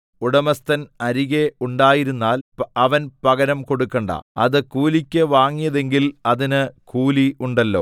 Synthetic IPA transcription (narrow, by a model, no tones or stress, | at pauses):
uɽɐmɐst̪ɐnɐɾiɣeuɳɖaːjiɾunːaːlɐʋɐnpɐɣɐɾɐmko̞ɽukːɐɳɖɐ̰ɐðɨkuːlikʲːɨʋaːŋːijɐðe̞ŋɡilɐðinɨkuːliuɳɖɐlːo̞̰ː